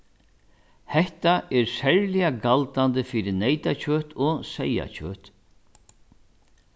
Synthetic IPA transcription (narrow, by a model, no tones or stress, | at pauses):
hɛht̪aʔɛɾsɛɹlɪjaɡalt̪ant̪əfiːɾɪnɛjt̪at͡ʃʰøːt̪ʰɔsɛja̰t͡ɕʰø̰ːht̪